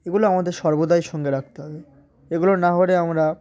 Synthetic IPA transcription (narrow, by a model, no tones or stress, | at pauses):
eɡuloamad̪eɾʃɔɾbod̪ajʃɔŋɡeɾak̚ʰt̪eɦɔbe | eɡulonaɦoɾeamɾa